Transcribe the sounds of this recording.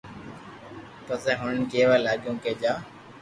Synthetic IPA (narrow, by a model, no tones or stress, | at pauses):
pəseːɦʊnkeːʋaːlaːɠjõːkeːd͡ʒaː